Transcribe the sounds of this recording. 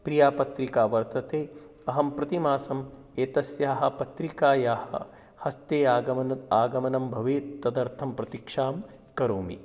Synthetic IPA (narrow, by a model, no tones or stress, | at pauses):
pɾijaːpɐt̪ɾikaːʋɐɾt̪ɐt̪eː | ɐɦɐmpɾɐt̪imaːsɐm | eːt̪ɐsjaːɦɐ̆pɐt̪ɾikaːjaːhɐ̰ | hɐst̪eːaːɡɐmɐnɐaːɡɐmɐnɐmbʱɐʋeːt̪ːɐd̪ɐɾt̪ʰɐmpɾɐt̪ikʂaːm | kɐɾoːmḭ